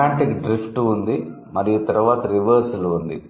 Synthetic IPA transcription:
aːɳʈikɖɾipʰʈuund̪i | mɐɾijut̪ɐɾuʋaːt̪ɐɾiʋɐɾsulund̪ḭ

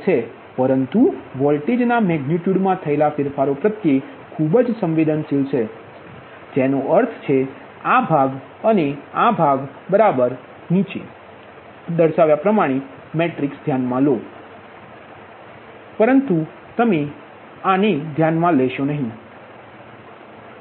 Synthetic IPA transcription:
t͡ʃʰe | pəɾənt̪uʋɔlʈed͡ʒnamɛɡniʈjuɖmãt̪ʰəelafɪɾfaɾopɾət̪je | kʰubəd͡ʒsə̃mʋed̪ənsilt͡ʃʰe | d͡ʒenoʔəɾt̪ʰt͡ʃʰe | abʱaɡ | əneabʱaɡ | bəɾabəɾ | nit͡ʃe | d̪əɾʃaʋjapɾəmaɽ̃e | meʈɾiksd̪ʱjanmãlo | pəɾənt̪u | t̪əme | aned̪ʱjanmãlɛʃonəɦĩ

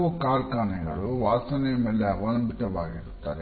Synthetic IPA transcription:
ukaːɾkaːnɛŋɡɐluʋaːst̪ɐnɛɐmelːɐʋɐnɐmbit̪ɐʋaːɡiɾut̪ːa̰ːɾe

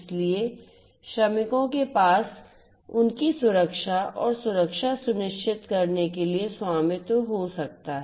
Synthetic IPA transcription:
slie | ʃɐmɪkõkepaːs | ʊnkisʊɾəkʃaɔ̰ːɾsʊɾəkʃasʊnɪʃt͡ʃʰɪt̪kɐɾnekelieswaːmɪt̪ɦosɐk̚t̪aɦɛ

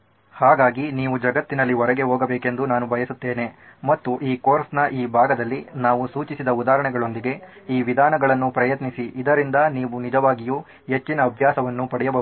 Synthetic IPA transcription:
haːɡaːɡiniːʋud͡ʒɐɡɐt̪ːinɐlːiɦɔɾɛɡe̞ɦoːɡɐbeːke̞nd̪unaːnubʱɐjɐsut̪ːe̞ːne̞mɐt̪ːuʔiːkoːɾsnɐʔiːbʱaːɡɐd̪ɐlːinaːʋusuːt͡ʃisid̪ɐud̪aːɦɾɐɳɛɡɐɭo̞nd̪iɡe̞iːʋid̪ʱaːnɐɡɐɭɐnːupɾɐjɐt̪nisiʔid̪ɐɾind̪ɐniːʋunid͡ʒɐʋaːɡiju | ɦe̞t͡ʃːinɐːbʱjaːsɐʋɐnːupɐɽɛjɐbɐu

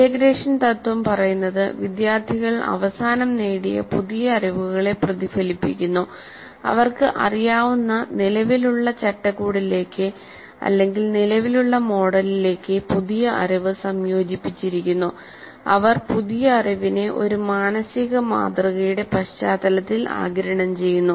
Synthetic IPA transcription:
dekɾe̞ːʂɐnt̪ɐt̪ːwɐmpɐrɐjunːɐðɨʋid̪jaːrt̪ʰiɣɐɭɐ̰ʋɐsaːnɐmneːɽijɐ̰puðijɐːɾiʋuɣɐɭe̞prɐðifɐlipːikʲːunːu | ɐ̰ʋɐrkɨʔɐrijaːʋunːɐnilɐʋiluɭːɐt͡ɕɐʈːɐɣuːɽile̞ːkːɨ | ɐ̰lːe̞ŋɡilnilɐʋiluɭːɐmo̞ːɽɐlile̞ːkːɨpuðijɐʔɐ̰ɾɐʋɨsɐmjo̞ːd͡ʑipːit͡ɕːiɾikʲːunːu | ɐʋɐrpuðijɐːrɐʋine̞ʔo̞̰ɾumaːnɐsiɣɐma̰ːt̪rɨɣɐjuɽe̞pɐɕt͡ɕaːd̪ɐlɐt̪ːila̰ːɡɐɾɐɳɐmt͡ɕe̞jːunːu

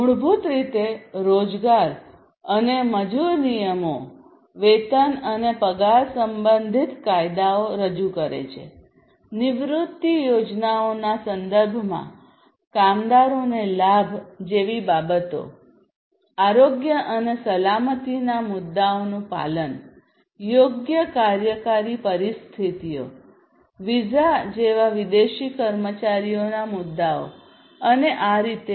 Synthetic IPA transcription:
ɦʊɭbʱut̪ɾit̪eɾod͡ʒɡaɾ | əneməd͡ʒuɾnijəmo | ʋet̪ənənepəɡaɾsəmbənd̪ʱit̪kajd̪aoɾəd͡ʒukəɾḛt͡ʃʰḛ | nɪʋɾut̪ːijod͡ʒnaonasənd̪əɾbʱmã̰ | kamd̪aɾonelabʱd͡ʒeʋibabət̪o̰ | aɾoɡjəʔənesəlamət̪inamʊd̪ːaonũpa̰lən | joɡjəkaɾjəkaɾipəɾist̪ʰit̪ijo̰ | ʋid͡ʒad͡ʒeʋaʋid̪eʃikəɾmət͡ʃaɾijonamud̪ːao̰ | əneʔaɾit̪e

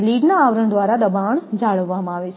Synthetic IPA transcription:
liɖnaːʋɾəɳd̪ʋaɾad̪əbaəɳd͡ʒaɭəʋːamãaʋet͡ʃʰ

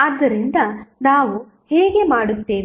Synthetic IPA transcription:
ɐd̪ːɐɾind̪ɐnaːʋu | heːɡe̞maːɽut̪ːeːʋ

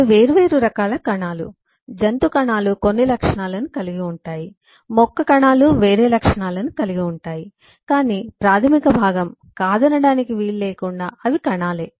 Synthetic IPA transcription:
ʋe̞ːɾuʋe̞ːɾuɾɐkaːlɐkɐɳaːlṵ | d͡ʒɐnt̪ukɐɳaːluko̞nːilɐkʂɐɳaːlɐnukɐliɡiuɳʈaːji | mɔkːɐkɐɳaːluʋe̞ːɾeːlɐkʂɐɳaːlɐnukɐliɡiuɳʈaːji | kaːniːpɾaːt̪ʰɐmikɐbʱaːɡɐm | kaːd̪ɐnɐɽaːnikiʋiːlleːkuɳɖaːʔɐʋikɐɳaːle̞ː

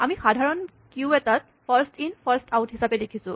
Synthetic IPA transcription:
amixadʱaɹɔn | kiuɛtat̚ | pʰaɹstinpʰaɹstʰawtɦisapɛdekʰisʊ̃

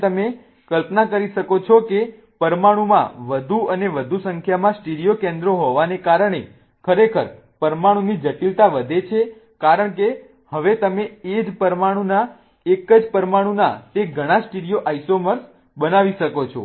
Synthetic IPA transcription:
t̪əme | kəlpnakəɾiʃəkot͡ʃʰɔke | pəɾmaɽ̃ũmã̰ʋəd̪ʱuəneʋəd̪ʱusəŋkʰjamãsʈiɽijokẽnd̪ɾoɦoʋanekaɾəɳ̃e | kʰəɾekʰəɾ | pəɾmaɽ̃ũnid͡ʒəʈilt̪aʋəd̪ʱet͡ʃʰe | kaɾəɳke | həʋet̪əmeed͡ʒpəɾmaɽ̃ũna | ekəd͡ʒpəɾmaɽ̃ũnat̪eɡʱəɽ̃ãsʈiɽijoʔajsoməɾs | bənaʋiʃəkot͡ʃʰo̰

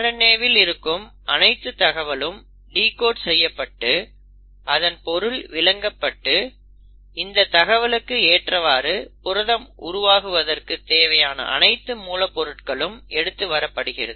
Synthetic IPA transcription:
ɾɐneːʋɪlɪɾɯkːɯm | ʔɐnɐɪt̪ːɯt̪ːɐɣɐʋɐɭɯm | ɖiːkoːʈsɛjːɐpːɐʈːɯ | ʔɐðɐnpɔɾɯɭʋɪlɐŋɡɐpːɐʈːɯ | ɪnd̪ɐt̪ːɐɣɐʋɐlɯkːɯeːʈrɐʋaːɾɯpʊɾɐðɐmʊɾʊʋaːɣɯʋɐðɐrkɯt̪eːʋɐjaːnɐ̰ʔɐ̰nɐɪt̪ːɯmuːlɐpːɔɾɯʈkɐɭɯmʔɛɽɯt̪ːɯʋɐɾɐpːɐɽɯɣɪrɐ̰ðɯ

